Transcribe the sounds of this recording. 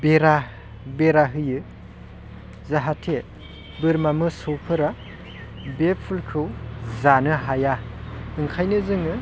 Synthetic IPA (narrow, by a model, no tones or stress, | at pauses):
beɾa | beɾaɦɯjɯ | zaɦatʰe | bɯɾmamɯsɯwpʰɯɾa | bepʰulkʰɯwzanɯɦajaɯŋkʰajnɯzɯŋɯ